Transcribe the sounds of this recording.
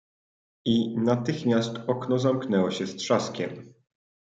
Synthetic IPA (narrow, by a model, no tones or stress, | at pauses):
inat̪ɘxmʲjast̪ɔknɔzamknɛwɔɕɛst̪ʂaskʲɛm